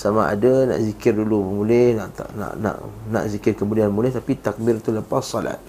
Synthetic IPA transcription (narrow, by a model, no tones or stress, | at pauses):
samaʔa̰dana̰ʔzikɪrdulumulɛhnaʔt̪a̰na̰ʔna̰ʔna̰ʔzikɪrkəmudianmulɛht̪apit̪ak̚birt̪uləpasːɔla̰t̪̚